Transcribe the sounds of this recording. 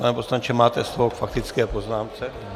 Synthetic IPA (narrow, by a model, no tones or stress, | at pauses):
anɛposlaɲt͡ʃɛmaːt̪ɛst̪ookfakt̪ɪt͡skɛːpo̞znaːmt͡sɛ